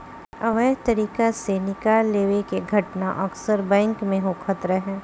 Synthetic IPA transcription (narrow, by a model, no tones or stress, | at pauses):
ɐʋəɦt̪ɐɾiːkasenɪkaːlːeːʋekeɡʱɐʈnaʔɐksəɾbɛ̃ːŋkmẽɦokʰət̪ɾɛɦɛ̃ː